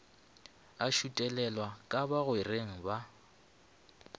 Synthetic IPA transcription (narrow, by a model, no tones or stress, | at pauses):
aʃutʼɛlɛlwakʼabaɣʊereŋ̩ba